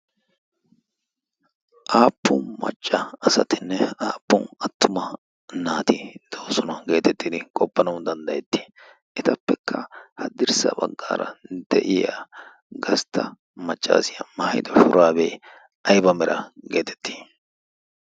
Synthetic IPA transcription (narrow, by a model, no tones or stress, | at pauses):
ʔaːpːʊnmɐ̰t͡ʃʼːɐɐsɐt̪ɪnːɛaːpːʊnɐt̪ːʊmɐ | naːt̪ɪd̪̥oːsɔnɐɡe̞ːt̪ɛt̪ːid̪ɪkʼɔpːɐnɐwd̪ɐnd̪ɐjɛt̪ːi̥ | ʔɪt̪ɐpːɛkʰːɐhɐd̪ɪɾsɐ̰bɐɡːa̰ːɾɐ̰d̪ɛʔɪja̰ː | ɡɐst̪ʰːɐ | mɐt͡ʃʼːa̰ːsɪjɐmɐhɐjd̪ɔfʊɾʔaːbeː | ʔɐjbɐmɛɾʔɐɡe̞ːt̪ɛ̥t̪ʰːi̥ː